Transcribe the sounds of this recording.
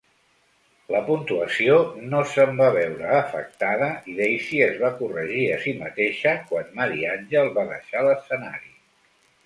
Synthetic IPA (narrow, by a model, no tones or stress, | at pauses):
ləpunt̪uəsionosəmbaβɛwɾəːfə̰k̚t̪aðəʔiðejsiəzβakurəʒiəsimət̪eʃəkwanmaɾianʲʒəlˠβaðə̰ʃaləsəna̰ɾi